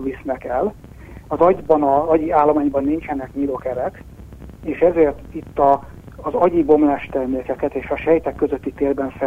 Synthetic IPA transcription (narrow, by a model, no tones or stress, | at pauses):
visnɛkɛl | ɒzɒɟbɒnɒɒɟiaːlːomaːɲbɒnːint͡ʃɛnɛkɲiːloːkɛɾɛk | eːʃɛzeːrt̪it̪ːɒː | zɒɟibo̞mlaːʃt̪ɛrmeːkɛkɛt̪eːʃɒʃɛjt̪ɛkːøzøt̪ːit̪eːlbɛɱfɛ